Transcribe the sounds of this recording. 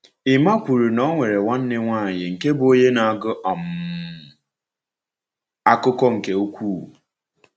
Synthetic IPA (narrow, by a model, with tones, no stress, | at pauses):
ɪ˨ma˦kʷu˨ɾu˨nɔ˦ŋʷe˨ɾe˨ŋʷa˦n̩˦nɪ˦ŋʷaː˦˨jɪ˨ŋ̩˨ke˦bʊ˨o˦ɲe˦na˨a˨ɡʊ˦ʔɔ˨m˨ | a˦kʊ˦kɔ˦ŋ̩˨ke˨o˦kʷuː˦˨